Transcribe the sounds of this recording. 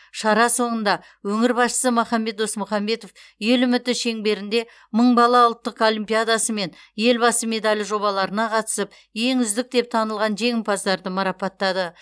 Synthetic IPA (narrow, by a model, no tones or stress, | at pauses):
ʃɑɾɑso̞nənd̪ɑ | wɵŋɪɾbɑsʃə̥səmʊχɑmːe̞t̪̚d̪o̞smʊχɑmːe̞t̪o̞f | je̞lʏmɪt̪ːɪʃe̞ŋbe̞ɾɪnd̪e̞ | məɴbɑlˠɑwʊlˠt̪ːəqo̞lʲimpijad̪asəme̞n | je̞lbɑsəme̞d̪alʲʒo̞βɑlˠɑɾənɑqʰɑt̪ə̥səp̚ | je̞ŋʏzd̪ɪk̚d̪e̞p̚t̪ʰɑnəlˠʁɑnʒe̞ŋɪmpɑzd̪ɑɾd̪əmɑɾɑpɑt̪ːɑd̪ə